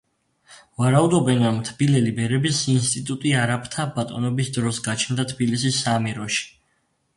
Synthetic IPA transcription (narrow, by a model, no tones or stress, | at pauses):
vaɾaud̪ɔbɛnɾɔmt̪ʰbilɛlibɛɾɛbisinst̪ʼit̪ʼut̪ʼiaɾapʰt̪ʰabat̪ʼɔ̰nɔbisd̪ɾɔsɡat͡ʃʰnd̪at̪ʰbilisisːamɛɾɔʃi̥